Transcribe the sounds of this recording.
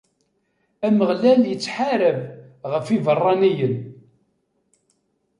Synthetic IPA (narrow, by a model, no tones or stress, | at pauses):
æməʁlæljət͡sːħaɾəvʁəfivərˤːɑnijən